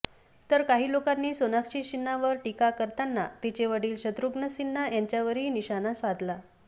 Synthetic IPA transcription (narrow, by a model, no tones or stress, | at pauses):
t̪əɾkaɦiːlokanːiːsonakɕiːɕinːaʋəɾʈikakəɾt̪anːat̪it͡ɕeʋəɽiːlɕət̪ɾuɡnəsinːajaɲt͡ɕjaʋəɾɦiːniɕanasʋad̪la